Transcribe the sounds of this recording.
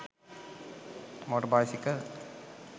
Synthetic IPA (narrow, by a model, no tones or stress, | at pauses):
moʈɐbaːsikːɐl